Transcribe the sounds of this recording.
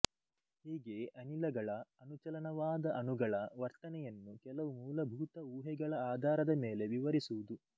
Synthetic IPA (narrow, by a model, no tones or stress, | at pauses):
hiːɡe̞ʔɐnilɐɡɐɭɐɐnut͡ʃɐlɐnɐʋaːd̪ɐʔɐnuɡɐɭɐʋɐɾt̪ɐnɛjɐnːukɛlɐʋumuːlɐbʱuːt̪ɐuːɦɛɡɐɭɐaːd̪ʱaːɾɐd̪ɐme̞ːle̞ʋiʋɐɾisuʋud̪u